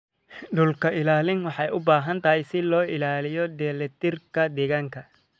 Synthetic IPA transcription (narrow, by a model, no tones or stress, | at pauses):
ɖʊlkʰɐʔɪlaːlɪnwɑħɑjʊbaːɦɐnt̪ʰɐɦɛjsɪlɔːɪlaːlɪjɔd̪ɛːlɛt̪ɪrkʰɐd̪ɛːɣaːŋkʰɐ